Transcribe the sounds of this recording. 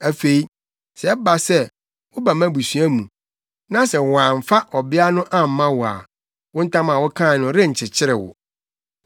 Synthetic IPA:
æ˨fe˨i˦ | sɛ˨˦ba˨sɛ˦ | wʊ˦ba˨mã˦bu˨sɥæ˦mũ˨ | nã˦sɛ˨wã˨m̩˨fa˦ʔɔ˨bɪ˦a˦nʊ̃˦ʔã˦m̩˨˦mã˦wɔ˨a̰˨ | wʊ̃˦n̩˦tʰã˦mã˨wʊ˦kʰã˦˨nʊ̃˦ɾɪ̃˦ɲ̩˨t͡ɕʰɪ˨t͡ɕʰɪ˦ɾɪ̰˨wʊ̰˨

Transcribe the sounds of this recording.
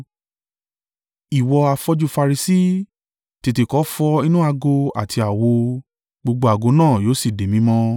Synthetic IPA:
i˨wɔ˧a˧fɔ˧d͡ʒu˧fa˧ɾi˧si˦ | ti˧ti˧˨kɔ˨˦fɔ˧i˦nũ˦a˧ɡo˧a̰˨tʰi˧a˨wo˧ | ɡ͡bo˧ɡ͡bo˧˦a˨ɡo˧˦nãː˦˨joː˨˦si˦˨de˨mĩ˨˦mɔ̃˦

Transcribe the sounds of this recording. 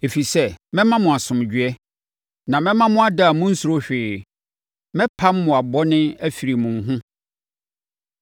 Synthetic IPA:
e˨fi˨sɛ˦mɛ̃˦mã˦mʊ̃˨a˨sʊ̃˨m˨d͡ʑᶣɛ˦ | nã˨mɛ̃˦mã˦mʊ̃˦a˦da˦˨mʊ̃˦n̩˦su˨ɾo˦ɕᶣɪː˨ | mɛ̃˦pʰa˦m̩˦mʊ̃˨a˨bɔ˦nɪ̃˦æ˦fi˨ɾi˨mʊ̃˨ɦʊ̃˦

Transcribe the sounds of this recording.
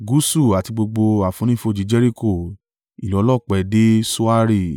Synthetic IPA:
ɡu˦su˦˨a˨ti˧ɡ͡bo˧ɡ͡bo˧a˨fũ˨˦nĩ˦fo˦˨d͡ʒi˨˦d͡ʒɛ˦ɾi˦ko˦˨ | i˨lɔ˨˦lɔ˦˨k͡pɛ˨de˦su˦a˦ɾi˦˨

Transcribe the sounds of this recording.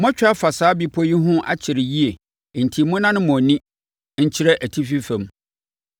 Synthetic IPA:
mɔ̃˦t͡ɕᶣa˦fa˨saː˨˦bi˦pʰo˦ji˦ɦʊ̃˦ʔa̰˦t͡ɕʰɪ˨ɾɪ˨ji˦e˨ | n̩˨tʰi˨mʊ̃˦nã˦nʊ̃˦mɔ̃˨nĩ˦ | ɲ̩˦t͡ɕʰɪ˦ɾɛ˦ʔæ˨tʰi˦fi˦fɛ̃˨m

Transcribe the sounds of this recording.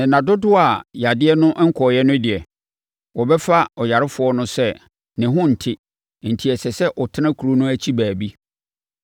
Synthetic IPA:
nɛ̃˨nã˨dʊ˦dʊ˦a˨ja˨dɪ˦ɛ˦nʊ̃˦ʔŋ̩˦kʰɔ˨jɛ˦nʊ̃˦dɪ˨ɛ˨ | wɔ˨bɛ˦fa˦ɔ˨ja˨ɾɪ˦fʊ˨ɔ˦nʊ̃˦sɛ˦ | nɪ̃˨ɦʊ̃˦n̩˨tʰɪ˦˨ | n̩˨tʰi˨ɛ˨sɛ˨sɛ˦ʔɔ˨tʰɪ˦nã˦kʰu˨ɾu˦nʊ̃˦æ˦t͡ɕʰi˦bæː˨bi˦

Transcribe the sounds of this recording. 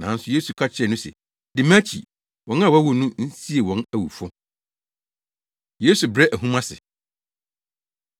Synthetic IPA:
nã̰ː˨˦n̩˦sʊ˨˦je˦su˨kʰa˦t͡ɕʰɪ˦ɾɛ˨nʊ̃˦sɛ̰˨ | dɪ˨mã˦t͡ɕʰḭ˨ | wɔ̃˨n˦a˦˨wæ˦wo˨nũ˦n̩˦si˦e˨wɔ̃˨˦næ˨wṵ˨fʊ˦ | je˦su˨bɾɛ˦ʔæ˨ɦũ˦mã˦sɪ̰˨

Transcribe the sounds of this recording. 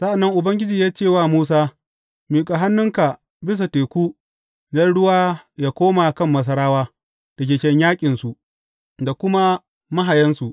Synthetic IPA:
sa˦ʔa˨nːɐ˦ŋʔʊ˨bɐ˦ŋɡʲɪ˦d͡ʒiː˨jaː˦t͡ʃeː˦˨waː˦˨muː˦s̬aː˦ | miː˨kʼa˨ɦa˦nːʊ˦ŋka˨ | bɪ˦s̬a˨teː˨kʷuː˦ | nɐ˦ɽʊ˦waː˦jaː˦kʷoː˦ma˨kɐ˦˨mːɐ˦s̬ɐ˦ɾaː˦waː˦ | d̥ɐ˨k̬ʲeː˨kʲɛ˦ɲjaː˦kʲʼɪ˨nsu˨ʔ | da˨kʷʊ˦ma˦ | mɐ˦ɦa˨jɐ˦nsu˨ʔ

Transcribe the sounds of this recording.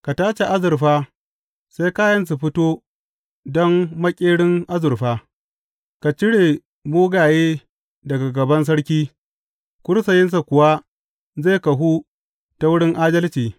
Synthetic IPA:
ka˨taː˦t͡ʃe˨ʔa˦zʊ˨ɾɸaː˦ | sa˦jkaː˦jɐ˦ns̬u˨ɸɪ˦toː˦ | dɔ˦ŋmɐ˦kʲʼeː˦ɽɪ˦ŋʔa˦zʊ˨ɾɸaː˦ | ka˨t͡ʃɪ˦ɽeː˨ | muː˦ɡaː˨jeː˦ | dɐ˨ɡa˨ɡɐ˨bɐ˦ns̬ɐ˦ɽkʲiː˦ | kʷʊ˦ɾsɐ˨jɪ˦ns̬a˨kʷʊ˨wa˦ | za˦˨kɐ˨ɦu˦ | ta˨wʊ˦ɽɪ˦ŋʔaː˦dɐ˦lt͡ʃiː˨

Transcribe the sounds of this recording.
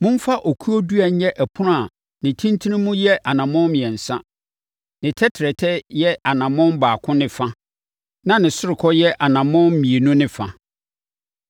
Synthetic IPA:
mʊ̃˦m˦fa˦ʔo˨kʰu˦o˦du˦a˨ɲ˦ɛ˦ʔæ˨pʰʊ˦nʊ̃˦a˨ | nɪ̃˨tʰĩ˦ntʰi˦nĩ˦mũ˦jɛ˦ʔa˨nã˨mɔ̃˦mĩ˨ɛ˨n̩˨sã˦ | nɪ̃˨tʰɛ˦tʰɪ˨ɾɛ˨tʰɛ˦jɛ˦a˨nã˨mʊ̃˦m˦baː˨kʰʊ̃˦nɪ̃˦fa˦ | nã˦nɪ̃˨sʊ˦ɾɪ˨kʰɔ˦jɛ˦ʔa˨nã˨mɔ̃˦mĩ˨e˨nũ˦nɪ̃˦fa̰˨

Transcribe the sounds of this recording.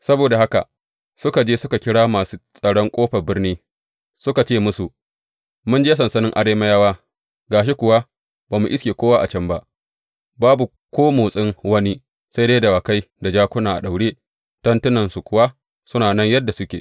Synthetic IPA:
sɐ˦boː˨da˨ha˦ka̰˨ | sʊ˦ka˨d͡ʒeː˦sʊ˦ka˨kʲɪ˦ɽaː˦maː˨su˦sʼɐ˨ɽɔ˦ŋkʷʼoː˦ɸɐ˨bɪ˦rniː˦ | sʊ˦ka˨t͡ʃeː˦mʊ˦su˨ʔ | mʊ˦nd͡ʒeː˦s̬ɐ˨nsɐ˦nɪ˦ŋʔa˨ɽeː˦mɐ˦jaː˦waː˦ | ɡaː˨ʃ̬i˦kʷʊ˨wa˦ | baː˨mu˨ʔɪ˦skʲeː˨kʷoː˦wa˦ʔa̰˨t͡ʃɐ˦mba˦ʔ | baː˦bu˨ | kʷoː˦moː˨sʼɪ˦ŋwɐ˦ni˦ | sa˦jdeː˦dɐ˨waː˨ka˦j | da˨d͡ʒaː˦kʷʊ˦naː˨ʔa̰˨ɗa˨wɽeː˦ | tɐ˦ntʊ˦nɐ˨nsu˨kʷʊ˨wa˦ | sʊ˦naː˨nɐ˦ɲjɐ˦dːa˨sʊ˦kʲeː˨

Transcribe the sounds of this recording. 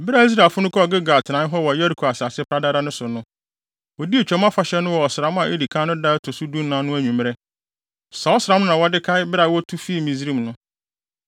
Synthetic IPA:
bɪ˦ɾa˨i˦s̬ɾaː˨lfʊ˦nʊ̃˦kʰɔ˦ɔ˨ɡɪ˦ɡa˨tʰnã˨˦ɦɔ˦wɔ˨jɛ˦ɾi˨kʰo˨a˨sa˨sɪ˦pʰɾa˦da˦ɾa˦nʊ̃˦sʊ˨nʊ̃˦ | wɔ˨di˦e˨t͡ɕᶣɛ˦mã˦fa˨ɕɛ˦nʊ̃˦wɔ˨ɔ˨sɾã˦m˦ã˨ʔe˦di˨kʰã˦nʊ̃˦da˦tʰʊ˨su˦dũ˦m˦nã˨˦nʊ̃˦æ˦ɲũ˨m˦ɾɛ˦ | sa˨ɔ˦sɾã˨˦mnʊ̃˦nã˨wɔ˦dɪ˦kʰa˦ɪ˦bɪ˦ɾa˨wɔ˦tʰu˦fi˦˨mĩ˨zi˦ɾĩ˦˨mnʊ̃˦

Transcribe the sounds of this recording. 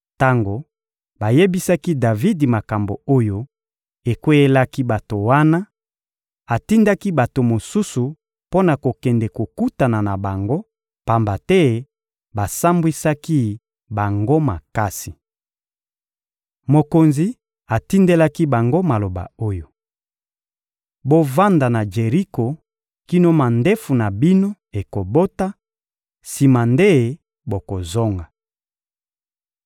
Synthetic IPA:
ta˦ŋɡo˨ | ba˨je˦bi˦sa˦ki˦da˨vi˦di˨ma˨ka˨mbo˨o˦jo˦ | e˨kwe˦je˦la˦ki˦ba˨to˨wa˦na˦ | a˨ti˦nda˦ki˦ba˨to˨mo˨su˦su˨ | po˦na˨ko˨kɛ˨ndɛ˨ko˨ku˦ta˨na˨na˨ba˨ŋɡo˦ | pa˨mba˨tɛ˦ | ba˨sa˦mbwi˦sa˦ki˦ | ba˨ŋɡo˦ma˨ka˦si˨ | mo˨ko˨nzi˨ | a˨ti˦nde˦la˦ki˦ba˨ŋɡo˦ma˨lo˨ba̰˨o˦jo˨ | bo˦va˦nda˨na˨d͡ʒe˨ʁi˦ko˨ | ki˦no˦ma˨nde˦fu˨na˨bi˦no˦ | e˨ko˨bo˦ta˦ | si˨ma˨nde˦˨ | bo˨ko˨zo˦ŋɡa˨

